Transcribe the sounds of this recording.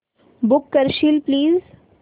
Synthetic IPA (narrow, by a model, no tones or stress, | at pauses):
bʊkːəɾʃilpliːz